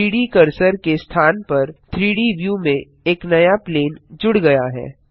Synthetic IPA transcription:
iːɽikɐɾsəɾkest̪ʰaːnpɐɾt̪ʰɾiːɽiʋjumẽ | eːknɐjapleːnd͡ʒʊɽɡɐjaɦɛ̰ː

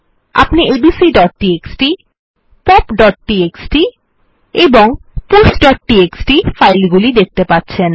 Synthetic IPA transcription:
a̰pniʔebisiɖɔʈ̚ʈieksʈi | pɔpɖɔʈ̚ʈieksʈi | eboŋpusɖɔʈ̚ʈieksʈifajlɡulid̪ek̚t̪epatːɕʰen

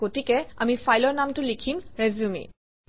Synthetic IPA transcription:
ɡotikɛa̰mifajlɔɹnamtʊlikʰimɹɛzumḭ

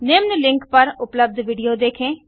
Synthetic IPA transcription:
neːmnlɪ̃ŋkpəɾʊpləb̚d̪ʋiːɖijoːd̪eːkʰẽː

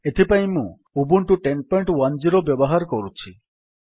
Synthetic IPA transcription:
et̪ʰipajmũ | ubuɳʈuʈenpɔjɳʈwand͡ʑiɾobeboɦaɾkoɾut͡ɕʰi

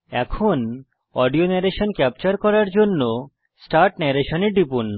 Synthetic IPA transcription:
ɛ̰kʰon | ɔɖionɛɾeʃonkɛp̚t͡ɕaɾkɔɾaɾd͡ʑonːo | sʈaɾʈnɛɾeʃoneɖipunː

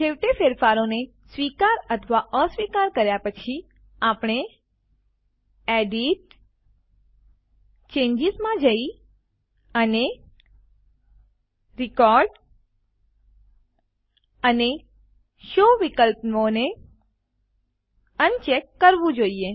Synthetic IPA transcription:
d͡ʒeʋʈ̪efeɾfaɾone | sʋikaɾət̪ʰəʋaʔəsʋikaɾkəɾjapət͡ʃʰi | apɽ̃e | eɖiʈ | t͡ʃẽɲd͡ʒɪzmãd͡ʒəi | əne | ɾikɔɾɖ | əne | ʃoʋikəlpnʋone | ənt͡ʃekːəɾʋũd͡ʒoie

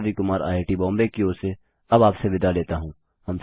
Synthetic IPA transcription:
ikʊmaːɾa̰ːeʈibɔ̃ːmbekioːse | ɐbaːpseʋɪd̪aleːt̪aɦũː | hɐms

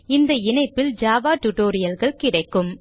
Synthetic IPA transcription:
ɪnd̪ɐɪnɐɪpːɪld͡ʒaːʋaːʈʊʈoːɾɪjɐlɣɐɭkɪɽɐɪkːɯm

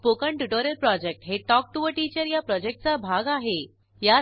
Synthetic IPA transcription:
pokəɳʈuʈoɾjəlpɾɔd͡ʑek̚ʈɦeʈɔk̚ʈuʋəʈit͡ɕəɾjapɾɔd͡ʑek̚ʈ̚t͡sabʱaɡaɦe | ja

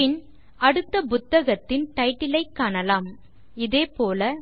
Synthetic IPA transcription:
ɪn | ɐɽɯt̪ːɐpʊt̪ːɐɣɐt̪ːɪnʈ̪ɐɪʈːɪlɐɪkːaːnɐlaːm | ɪðeːpoːlɐ

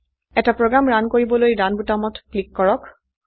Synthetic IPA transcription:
ɛtapɹɔɡamɹankoɹibɔlojdanbutamɔtklikːɔɹɔk

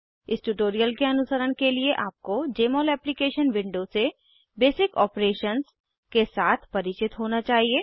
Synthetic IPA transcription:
ɪsʈuːʈoːɾijəlkeɐnʊsəɾəñkelieʔaːp̚kod͡ʒeːmoːlɛːplikeːʃənʋɪ̃ɳɖose | beːsɪkɔ̰ːpɾeːʃəns | kesaːt̪ʰpɐɾɪt͡ʃɪt̪ɦoːnat͡ʃaːɦieː

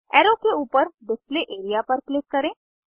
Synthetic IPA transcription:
ɛːɾokeuːpəɾɖɪspleʔeːɾijapɐɾklɪkːɐɾẽː

